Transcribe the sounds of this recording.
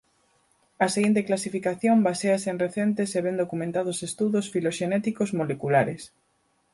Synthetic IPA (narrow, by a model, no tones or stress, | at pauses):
ɐseɣint̪eklasifikaθjombaseasenreθent̪eseβend̪okumẽnt̪aðosest̪uðosfiloʃenɛt̪ikozmolekulaɾes